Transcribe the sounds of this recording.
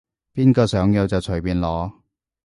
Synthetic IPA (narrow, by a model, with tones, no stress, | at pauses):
piː˥nkɔː˧sœː˨˥ŋjoː˨˧t͡sɐ˨wt͡ʃʰɵ˨˩ɥpiː˨nlɔː˨˧